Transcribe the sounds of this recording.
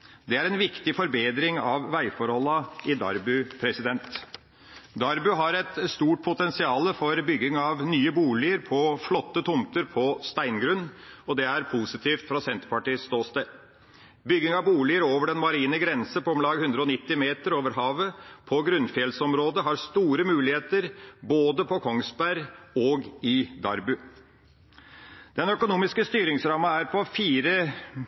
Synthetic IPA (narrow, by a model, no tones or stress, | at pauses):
d̪ɛæɾɛnʋɪkt̪ɪfɔɾbeːd̪ɾɪŋɑʋʋæɪfɔɾhɔlːɑɪd̪ɑ̰ɾbʉpʰɾɛsɪd̪ɛnt̪ | d̪ɑɾbʉɦɑɾɛt̪st̪uːʈ̚pʰʊt̪ɛnsɪɑːləfɔɾbʏɡːɪŋɑʋnyːəbuːlɪəɾpʰɔflɔt̪ːət̪ʰʊmt̪əɾpʰɔst̪æɪnɡɾʉnːɔd̪ɛæɾpʰuːsɪt̪ʰiːft̪fɾɑsɛnt̪ɾpɑʈiːəst̪oːst̪e | bʏɡːɪŋɑʋbuːlɪəɾoːʋəɖɛnmɑɾiːnəɡɾɛnsəpʰɔmlɑːɡhʉnd̪ɾəɔnɪt̪ːɪmeːt̪əɾoːʋəɾɦɑːʋəpʰɔɡɾʉnfjɛlsɔmɾoːd̪əɦɑɾst̪uːɾəmʉːlɪheːt̪əɾboːd̪əpʰɔkʰɔŋsbæɾɔɡɪd̪ɑ̰ɾbʉ | d̪̥ɛnœkʊnuːmɪskəst̪yːɾɪŋsɾɑːməæɾpʰɔfiːɾə